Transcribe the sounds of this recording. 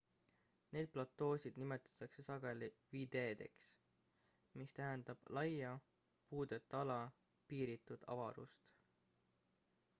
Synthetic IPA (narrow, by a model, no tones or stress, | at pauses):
ne̞ːd̪̥̚plɑt̪ːo̞ːsʲid̪̥nime̞t̪ːˑɑ̥t̪ːˑɑkse̞sɑɡ̥e̞liviːd̪̥e̞ːd̪̥e̞̰ks | mist̪æɦænd̪̥ɑb̥lɑjɑ | puːd̪e̞t̪ˑːɑlɑ | piːɾit̪ːˑud̪̥ɑ̰vɑ̰ɾṵst̪